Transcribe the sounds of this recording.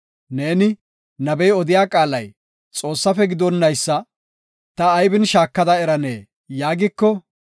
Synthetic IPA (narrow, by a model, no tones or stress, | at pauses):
neːnɪ | nɐbɛjɔd̪ɪjaːkʼaːlɐj | t͡sʼo̞ːsːɐfɛɡɪd̪ɔnːɐjsːɐ | t̪ɐːjbɪnʃaːkːɐd̪ɐɛɾɐne̞̰ː | jaːɡɪkːɔ